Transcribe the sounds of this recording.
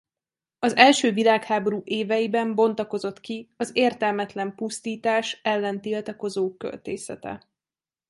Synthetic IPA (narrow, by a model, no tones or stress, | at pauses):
ɒzɛlʃøːvilaːkhaːbo̞ɾuːʔeːvɛjibɛmbo̞n̪t̪ɒko̞zo̞t̪kiɒzeːrt̪ɛlmɛt̪lɛmpust̪iːt̪aːʃɛlːɛnt̪ilt̪ɒko̞zoːkø̰lt̪eːsɛ̰t̪ɛ̰